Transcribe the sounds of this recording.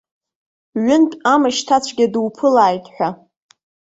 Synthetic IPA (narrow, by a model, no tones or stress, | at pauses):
ɥʊntʼamaʃtʰat͡ɕʷʰɡʲadwpʰɨlaːjtʼħʷᶣa